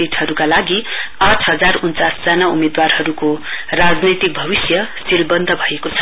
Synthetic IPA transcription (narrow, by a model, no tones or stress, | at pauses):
iʈʰɦʌɾukalaɡiaʈʰɦʌd͡zarunt͡sasd͡zanaumed̪warɦʌɾukorad͡znit̪ik̚bʱʌbisjʌsilbʌnd̪ʱʌbʱʌekot͡sʰʌ̥